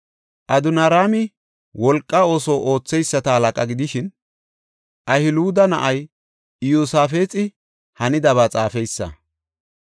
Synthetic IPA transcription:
ʔɐd̪ʊnaɾaːmɪ | wɔlkʼːɐo̞ːsoːʔo̞ːt͡sːɛjsːɐt̪ɐhɐlɐkʼɐɡɪd̪ɪʃɪn | ʔɐhɪluːd̪ɐnɐʔɐj | ɪjusaːfeːt͡sʼɪ | hɐnɪd̪ɐβaːt͡sʼaːfɛjsːɐ̰

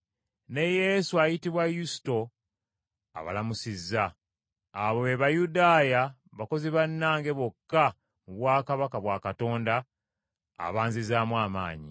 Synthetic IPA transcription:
ne̞je̞suajitiβwajusi̥to̞ | a̰βa̰lamusizːaː | βoeβajudaːja | βako̞ziβanːaːŋɡe̞βokːa | muβwaːkaβakaβwaːkato̞ːnda̰ː | βaːɲzizaːmwaːma̰ːɲḭ

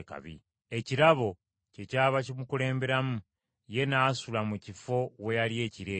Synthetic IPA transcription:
ka̰βḭ | e̞ciɾaβo̞ | ce̞caːβacimukule̞ːmbe̞ɾamu | je̞naːsulamucifo̞we̞jalie̞ːciɾe

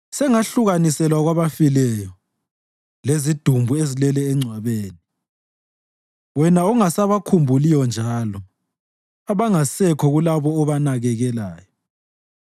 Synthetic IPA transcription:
sɛŋaɬuɣanisɛlwaɣwaβafilɛjɔ | lezid̥ʱumbʱuezilɛlɛːŋ͡ǀʱwaβeːni | wɛnauŋasaβakʰumbʱulijɔnd͡ʒʱaːlɔ | aβaŋasɛkʰɔɣulaβɔːβanaɣɛɣɛla̰ːjɔ

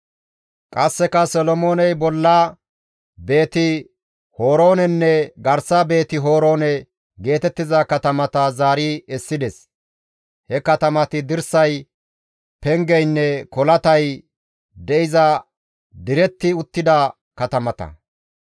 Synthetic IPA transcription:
kʼɐsːɛkɐsɔlɔmo̞ːnɛjbɔlːɐ | be̞ːt̪ɪ | ho̞ːɾo̞ːnɛnːɛɡɐɾsɐbe̞ːt̪ɪɦo̞ːɾo̞ːnɛ | ɡe̞ːt̪ɛt̪ːɪzɐkɐt̪ɐmɐt̪ɐzaːɾɪɛsːɪd̪ɛs | hɛkɐt̪ɐmɐt̪ɪd̪ɪɾsɐj | pɛŋɡɛjnːɛkɔlɐt̪ɐj | d̪ɛʔɪzɐ | d̪ɪɾɛt̪ːɪʊt̪ːɪd̪ɐ | kɐt̪ɐmɐt̪ɐ̰

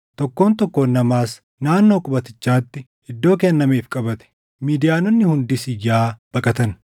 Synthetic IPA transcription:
t̪ɔkːoːnt̪ɔkːoːnːɐmaːs | naːnːo̞ːkʼʊbɐt̪ɪt͡ʃːaːt̪ːɪ | ɪd̪ːo̞ːkɛnːɐmeːfkʼɐbɐt̪ɛ̥ | miːd̪ɪjaːnɔnːɪhʊnd̪ɪsɪjaːb̥ɐkʼɐt̪ɐn

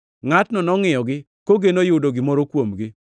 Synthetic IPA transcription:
ŋatnɔnɔŋɪjɔɡɪ | koɡenojʊdoɡɪmɔɾɔkwomɡɪ

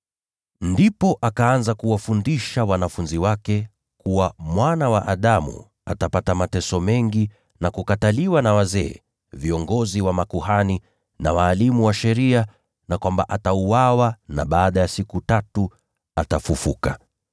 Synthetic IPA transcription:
ndipɔʔakaanzakuwafundiʃawanafunziwakɛ | kuwamwanawaʔaɗamṵ | atapatamatɛsɔmɛŋɡi | nakukataliwanawazɛː | viɔŋɡɔziwamakuhani | na̰waːlimuwaʃɛɾia | nakwambaʔatauwawana̰ɓaːɗajasikutatu | atafufuka

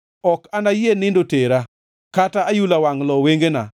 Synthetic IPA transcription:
ɔkanajenɪndoteɾa | kataːjulawaŋlɔweŋɡena̰

